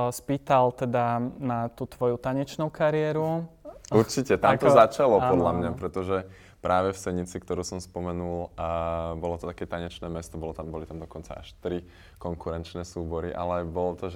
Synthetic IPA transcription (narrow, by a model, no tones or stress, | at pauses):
spiːt̪alt̪ɛd̪anat̪uːt̪ʋɔjut̪aɲɛt͡ʃnuʊkaɾɪɛːɾuuɾt͡ʃicɛt̪amt̪ɔzat͡ʃalɔpɔd̪lamɲapɾɛt̪ɔʒɛ | pɾʔaːʋɛfsɛɲit͡sikt̪ɔɾuːsɔmspɔmɛnul | bɔlɔt̪ɔt̪akɛːt̪aɲɛt͡ʃnɛːmɛst̪ɔbɔlɔt̪ambɔlit̪amd̪ɔkɔnt͡sa̰ʔa̰ʃt̪ɾi | kɔŋkuɾɛnt͡ʃnɛːsuːbɔɾiʔa̰lɛbɔlɔt̪ɔʒ